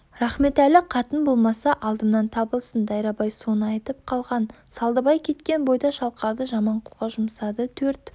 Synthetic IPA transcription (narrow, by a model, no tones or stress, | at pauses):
ɾɑχme̞t̪ælɪqʰɑt̪ənbo̞lˠmɑsɑʔɑlˠd̪əmnɑnt̪ʰɑbəlˠsənd̪ɑjɾɑbɑjso̞nəɑjt̪əp̚qʰɑlˠʁɑn | sɑlˠd̪əbɑjkʲʰe̞t̪kʲe̞nbo̞jd̪ɑʃɑlˠqɑɾd̪əʒɑmɑɴqʰʊlˠʁɑʒʊmsɑd̪ət̪ʰɵɾt̪